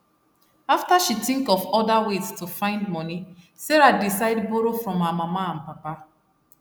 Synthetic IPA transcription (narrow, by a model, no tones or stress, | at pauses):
aftaʃitĩŋkɔfɔdaweztufãɪ̃ndmɔni | seɾadisaɪdboɾofɹɔ̃mamamaãnpapa